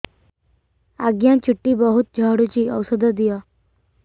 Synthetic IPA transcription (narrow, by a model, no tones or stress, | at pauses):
aɡjãt͡ɕʰuʈːiːbəɦut̪̚d͡ʑʱəɦɽut͡ɕiːəwsəd̪ʱəd̪ijɔ